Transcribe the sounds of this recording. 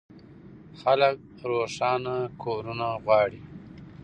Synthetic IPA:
xalək̚ | ɾoʂɑːnakʰoɾunaɣwɑːɽi

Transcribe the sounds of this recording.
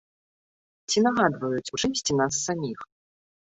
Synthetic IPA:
t͡sʲinaɣad̪vɐjut͡sʲuʐɨmʲsʲt͡sʲinas̬ːamʲix

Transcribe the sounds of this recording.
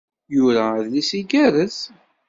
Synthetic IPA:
jʊɾæðlisiɡæɾəθ

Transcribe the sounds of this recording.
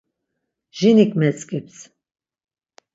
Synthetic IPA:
ʒ̥inikʰʼmɛt͡sʼkʼips

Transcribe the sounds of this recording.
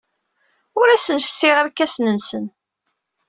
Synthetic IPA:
ʊɾæsənfə̥sːɪʁæɾkːæsnənsən

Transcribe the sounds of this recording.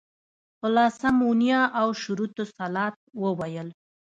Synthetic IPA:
ʊlɑsamunjɑʔawʃuɾut̪osalɑt̪̚wəwajəl

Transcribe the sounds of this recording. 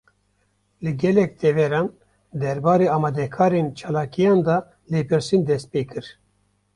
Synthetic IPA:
lɨɡɛlɛk̚t̪ʰɛvɛɾɑːn | d̪ɛɾbɑːɾeːɑːmɑːd̪ɛkʰɑːɾent͡ʃʰɑːlɑːkijɑːnd̪ɑ | leːpɨɾsind̪ɛst̪̚peːkʰɨɾ

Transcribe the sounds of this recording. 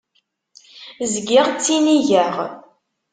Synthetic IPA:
zɡɪʁt͡sːiniʝæʁ

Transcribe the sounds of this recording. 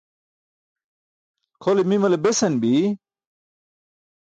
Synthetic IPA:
kʰolimimɐlebesɐnbi

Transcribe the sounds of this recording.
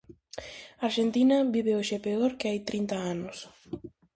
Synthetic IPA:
aɾʃent̪inaβiβeoʃepeoɾkeajt̪ɾint̪aanʊs

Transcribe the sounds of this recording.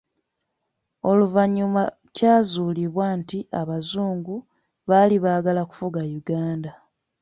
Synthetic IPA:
o̞luvaɲːuma | caːzuːliβwaːntiaβazuːŋɡu | βaliβaːɡalaku̥fuɡajuɡaːnda

